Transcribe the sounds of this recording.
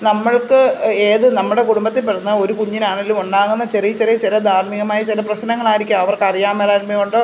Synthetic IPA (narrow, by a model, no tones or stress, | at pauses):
nɐmːɐɭkɨe̞ːðɨnɐmːuɽe̞kuɽumbɐt̪ːilpeʈːnːɐo̞ɾukuɲːinaːɳilːumuɳɖaːŋunːɐt͡ɕerijɐt͡ɕːerijɐt͡ɕilɐd̪ʱaːɾmiɣɐmaːjit͡ɕilɐprɐɕnɐŋːɐɭaːjiɾikʲːumɐʋɐrkɐrijaːmɐlaːɾmjɐuɳɖoː